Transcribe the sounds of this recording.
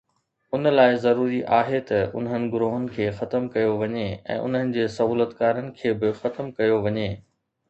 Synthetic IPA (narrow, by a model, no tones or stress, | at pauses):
ʊnəlaːɪzɐɾuːɾiʔaːɦet̪ɐʊ̰nɦənɪ̆ɡʊɾoːɦʊnɪ̆kʰeːxɐt̪əmkɐjoʋɐɲeɛ̰̃ːʔʊ̰n̤ənɪ̆d͡ʑeːsɐɦuːlət̪kaːɾənɪ̆kʰeːbɪxɐt̪əmkɐjoʋɐɲeː